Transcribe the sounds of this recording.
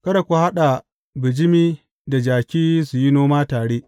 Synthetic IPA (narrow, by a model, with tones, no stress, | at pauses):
kɐ˦da˨kʷu˨ha˦ɗa˨ | bɪ˨d͡ʒɪ˦miː˦ | da˨d͡ʒaː˨kʲiː˦su˨ji˦noː˦maː˦taː˨ɽeː˦ʔ